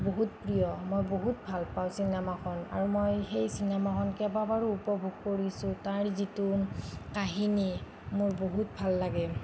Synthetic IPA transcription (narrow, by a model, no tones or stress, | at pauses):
boɦutpɹijɔmojboɦutbʱalpaw̃sinɛmakʰɔna̰ɹumojxejsinɛmakʰɔnkɛbabaɹuupɔbʱuɡ̚koɹisʊ̃taɹzitukaɦini | mʊɹboɦut̚bʱalːaɡɛ